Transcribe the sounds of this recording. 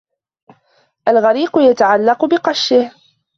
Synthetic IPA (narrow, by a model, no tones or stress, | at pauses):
ʔalɣaɾiːqʊjat̪aʕalːɑqʊbɪqɑʃːɪh